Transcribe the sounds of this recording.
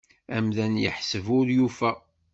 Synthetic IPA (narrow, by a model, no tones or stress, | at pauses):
æmðænjə̰ħsəvʊɾjufæ